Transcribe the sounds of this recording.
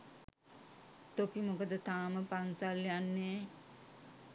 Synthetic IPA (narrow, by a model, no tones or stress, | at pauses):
t̪opimukəd̪ət̪aːməpansaljanːe